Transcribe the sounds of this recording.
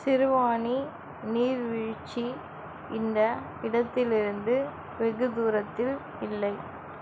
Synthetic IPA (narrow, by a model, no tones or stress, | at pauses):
sɪɾɯʋaːni | niːɾʋɪɻt͡ʃːi | ɪnd̪ɐ | ɪɽɐt̪ːɪlɪɾɯnd̪ɯ | ʋɛɣɯd̪uːɾɐt̪ːɪl | ɪlːɐɪ